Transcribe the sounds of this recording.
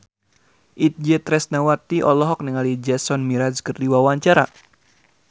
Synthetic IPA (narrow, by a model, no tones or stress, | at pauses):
ʔit̪̚d͡ʒɛt̪ɾɛsnawat̪iʔɔlɔɦɔk̚niŋalid͡ʒɛsɔnmiɾaskərdiwawaɲt͡ʃaɾa